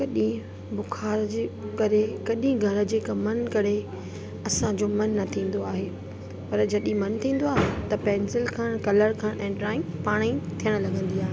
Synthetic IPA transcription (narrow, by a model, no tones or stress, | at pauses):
kɐɗĩ | bʊkʰaːɾd͡ʑekɐɾekɐɗĩɡʱɐɾə̆d͡ʑeːkɐmɐnkɐɾe | ɐsãd͡ʑomɐnːɐt̪ʰĩːn̆d̪oaːɦe | pɐɾd͡ʑɐɗĩmɐnt̪ʰĩːn̆d̪oaːɦet̪ɐpɛ̃ːnsɪlkʰãːɽ̃kɐləɽkʰãːʔɛ̃ːɖɾaːɪpaːɽ̃ĩt̪ʰijəɽ̃lɐɡʱə̃nd̪iaːɦe